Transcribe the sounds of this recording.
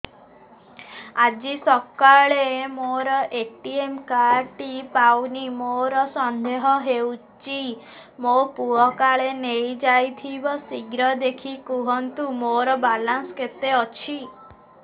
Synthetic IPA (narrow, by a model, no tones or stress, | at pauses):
ad͡ʒisɔkaɭemoɾɔʔeʈiemkaɾʈipawnimoɾɔsɔnd̪eɦɔɦewt͡ʃi | mopuɔkaɭenejd͡ʒajt̪ʰibɔsiɡɾɔd̪ekʰikuɦɔnt̪umoɾɔbalansɔket̪eɔt͡ʃʰi